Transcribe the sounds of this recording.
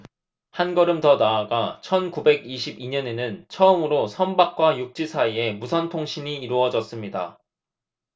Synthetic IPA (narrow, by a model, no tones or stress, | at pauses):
hanɡʌɾɯmtʌnaaɡat͡ɕʰʌnkube̞ɡiɕʰibiɲʌne̞nɯnt͡ɕʰʌɯmɯɾosʰʌnbak̚k͈wajuk̚t͡ɕ͈isʰaie̞musʰʌntʰoŋɕʰiɲiːɾuʌd͡ʑʌs͈ɯmɲida̰